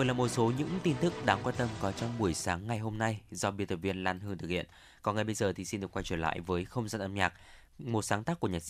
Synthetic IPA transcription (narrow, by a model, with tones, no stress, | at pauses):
və˨˩jlaː˨˩mo˨˩t̚so˨˦ɲɨ̰˧˥ŋt̪i˧nt̪ɨ˦˥k̚ɗaː˨˦ŋkwaː˧nt̪ə˧mkɔ˨˦t͡ɕɔ˧wŋ͡mɓu˧˩əjsaː˨˦ŋːa˨˩jɦo˧mna˧jzɔ˧ɓi˧ət̪ə˨˩vi˧ənlaː˧nɦɨ˧əŋt̪ɨ˨˩k̚hḭ˧˨ən | kɔ˨˩nŋɨ˨˩ɓə˧jzəː˨˩t̪ʰi˨˩si˧ndɗɨ˨˩əkwa˧jt͡ɕwəː˧˩nla̰ː˧˨jvəː˨˦jxə˧wŋ͡mzaː˧nʔə˧mɲaː˨˩k̚ | mo˨˩t̚saː˨˦ŋt̪aː˦˥kːu˧˩əɲaː˨˩t̚